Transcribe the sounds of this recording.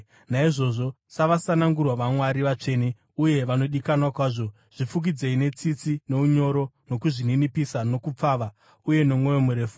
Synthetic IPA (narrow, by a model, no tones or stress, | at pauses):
naiʐo̞ʐo̞ | saʋasanaŋɡurwaʋamwaɾiʋat͡ʂe̞ːni | uje̞ʋano̞ɗikanwakwaːʐo̞ | ʐ̥ifuk̬id͡ze̞ine̞t͡sit͡sine̞uɲo̞ɾo̞no̞kuʐininipisano̞kup͡faːʋa | uje̞no̞mwo̞jomuɾe̞ːfu̥